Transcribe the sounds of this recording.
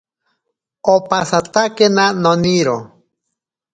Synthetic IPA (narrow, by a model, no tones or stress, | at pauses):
opasat̪akenanoniɾo